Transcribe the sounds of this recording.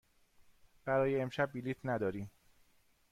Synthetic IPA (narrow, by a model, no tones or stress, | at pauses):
b̥æɾɒːjeːmʃæb̚ːiliːt̪ʰnæd̪ɒːɾiːm